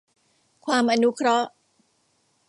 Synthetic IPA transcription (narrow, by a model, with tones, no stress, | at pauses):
kʰwaː˧mʔa˧nu˦˥kʰɾɔ˦˥ʔ